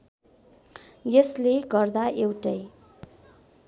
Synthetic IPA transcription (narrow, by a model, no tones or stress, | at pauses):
jʌsleɡʌrd̪aʔewʈʌj